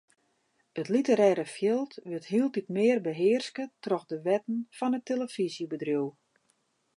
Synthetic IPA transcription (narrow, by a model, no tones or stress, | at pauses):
ətlitəɾɛːɾəfjɪlˠtʋɪthilˠtitmɪːrbəɦɪərskətrɔxdəʋɛtən̩fɔnəteləfisjəbədrjuw